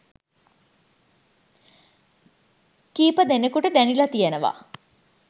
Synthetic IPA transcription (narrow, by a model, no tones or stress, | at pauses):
kiːpəd̪enekuʈəd̪ænilɐt̪ijenəʋa̰